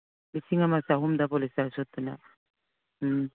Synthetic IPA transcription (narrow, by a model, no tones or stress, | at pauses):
bisiŋamasaɦumd̪apolisasot̪ːuna̰